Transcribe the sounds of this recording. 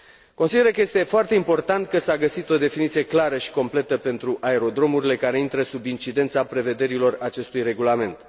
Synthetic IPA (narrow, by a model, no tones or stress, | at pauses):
ko̞nsid̪e̞ɾəkəje̞st̪e̞foart̪e̞impo̞rt̪ant̪̚kəsaɡəsit̪o̞d̪e̞finit̪sije̞klaɾəʃi̥ko̞mple̞t̪əpe̞nt̪ɾuʔae̞ɾo̞d̪ɾo̞muɾile̞kaɾe̞int̪ɾəsubint͡ʃid̪e̞nt̪sapɾe̞ve̞d̪e̞ɾilo̞rat͡ʃe̞st̪ujre̞ɡulame̞nt̪